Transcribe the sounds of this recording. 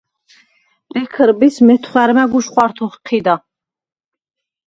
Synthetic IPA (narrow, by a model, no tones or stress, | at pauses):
b̪ɛkʰəɾbismɛt̪ʰχwæɾmaɡuʃχwaɾt̪ʰɔχqʰid̪a